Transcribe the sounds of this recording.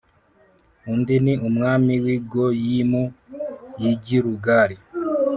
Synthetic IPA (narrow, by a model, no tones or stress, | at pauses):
undiniumŋaːmiwiːɡojimojiɟiɾuɡaːɾi